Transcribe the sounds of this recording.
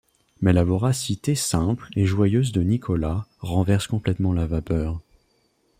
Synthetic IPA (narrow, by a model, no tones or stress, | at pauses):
mɛlavɔʁasit̪esɛ̃pleʒwajøzd̪ənikʰɔlaʁɑ̃vɛʁskɔ̃plɛt̪mɑ̃lavapœːʁ